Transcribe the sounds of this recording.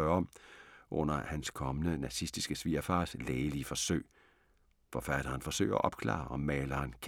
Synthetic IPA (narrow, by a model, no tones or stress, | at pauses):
ɶːɐɒ̽mʔɔ̽n̰ɐhænskʰɒ̽mənənɑsisd̥isɡ̥əsʋiːɐfɑ̈ːsleːlifɒ̽søɪ̰ | fɒfæd̥ɐːnfɒ̽sø̰ɪɐɒʔɒ̽b̥kʰlɑ̰̈ːʔɒ̽mːɛːlɐnkʰ